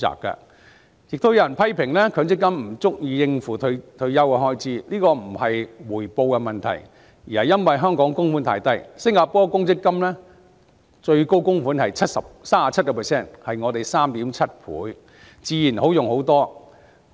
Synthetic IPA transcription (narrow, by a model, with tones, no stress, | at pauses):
a̰ː˨˩kːɐ̰˧ | kɪ˨k̚t̪o˥wjɐ˨˩npʰɐ˥jpʰɪ˨˩ŋlɛː˥kʰœː˨˥ŋt͡sɪ˥kːɐ˥mm̩˨˩t͡sʊ˥k̚jiː˧jɪ˧ŋfuː˨˩t̪ʰt̪ʰɵ˧ɥjɐ˥wɐ˧ɦɔː˥jt͡sʰiː˨˥liː˥kɔː˧m̩˨˩hɐ˨jwuː˨˩jpo˧wkɛ˧mɐ˨nt̪ʰɐ̰˨˩j | jiː˨˩hɐ˨jːɐ˥nwɐ˨jɦœː˥ŋkɔː˨˥ŋkʊ˥ŋfuː˨˥nt̪ʰaː˧˥jt̪ɐ˥jsɪ˥ŋkaː˧pɔː˥kʊ˥ŋt͡sɪ˥kːɐ˥mlɛː˥ | t͡ʃɵ˧ɥko˥wkʊ˥ŋfuː˨˥nhɐ˨jt͡sʰɐ˥t̚sɐ˨p̚saː˥a˨˩t͡sʰɐ˥t̚kɔ˧pʰɛː˨sɛː˥˩nhɐ˨jŋɔ˨˧t̪e˨jsaː˥mt̪iː˨˥mt͡sʰɐ˥t̚pʰṵː˨˥j | t͡siː˨˧jiː˨˩nho˨˥wjʊ˨ŋho˨˥wt̪ɔː˥